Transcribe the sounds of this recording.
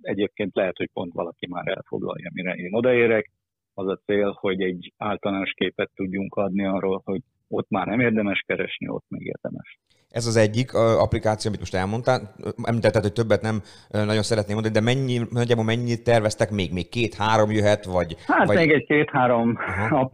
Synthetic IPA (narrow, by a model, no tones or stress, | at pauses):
ɛɟeːp̚keːnt̪lɛɦɛt̪hoc̚po̞̰nt̪ʋɒ̰lɒkima̰ːɾɛ̰lfo̰ɡlɒ̰jɒmiɾɛʔeːno̞d̪ɒeːɾɛk | ɒzɒt̪seːlho̞ɟɛɟːaːlt̪ɒlaːnoʃkeːpɛt̪ːuɟːuŋkʰɒd̪niɒroːlho̞ɟ | o̞t̪maːrnɛmeːrd̪ɛmɛʃkɛɾɛʃnḭo̰t̪mɛɡḛːrd̪ɛmɛʃ | ʔɛzɒzɛɟːikʰɒ̰plikaːt̪sioːmit̪mo̞ʃt̪ɛlmo̞nt̪aːʔɛ̰mliːt̪ɛt̪ːɛt̪hoc̚t̪øbːɛt̪nɛmønɒɟo̞nsɛɾɛt̪neːmond̪ɒnid̪ɛmɛɲːinɒɟːaːbolmɛɲːit̪ːɛrvɛst̪ɛkmeːɡmeːkkːeːt̪haːɾo̞mjøɦɛt̪ʋɒɟhaːt̪ɒmeːɡɛɟkeːt̪haːɾomɦɒ